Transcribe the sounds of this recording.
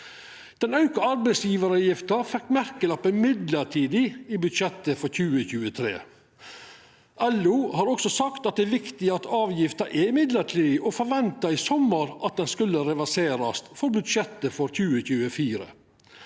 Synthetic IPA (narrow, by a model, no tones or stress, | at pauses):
d̪̥ɛnɑʉkɑɑɾbɛɪsjiːʋəɾɑjɪft̪ɑɾfɛkːmæɾkəlɑpːəmɪd̪ləʈʰiːd̪ɪibʉd̪ʃɛt̪ːəfɔɾçʉːəçʉːət̪ʰɾḛː | ʔɛluːhɑːɾɔksɔsɑkt̪ɑt̪̚d̪ɛːʋɪkt̪ɪɑt̪ɑːʋjɪft̪ɑɾʔɛɪmɪd̪ləʈʰiːd̪ɪʔofɔɾʋɛnt̪ɑɪsɔməɾʔɑt̪̚d̪ɛnskʉlːəɾɛʋæseːɾɑst̪fɔɾbʉd̪ʃɛt̪ːəfɔɾçʉːəçʉːəfiːɾə̰